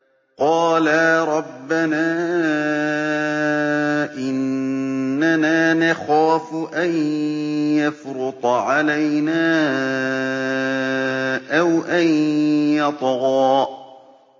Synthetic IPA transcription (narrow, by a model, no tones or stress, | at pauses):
qɑːlaːɾˤɑbːanaː | ʔɪnː | anaːnaxaːfʔan | jafɾʊt̪ˤʕalajnaː | ʔawʔanjɑt̪ˤɣɑː